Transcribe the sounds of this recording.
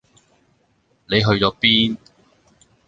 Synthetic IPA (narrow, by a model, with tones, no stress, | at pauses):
ne˨˧jɦɵ˧ɥɔː˨˧˥piː˥n